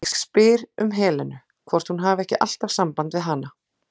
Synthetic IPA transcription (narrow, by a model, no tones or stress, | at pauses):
sspɪːɾʏ̰mɦɛːlɛnʏ | kʰvɔr̥t̪hunɦaːvɛhcɪʔa̰l̥t̪av̥sampant̪vɪðɦana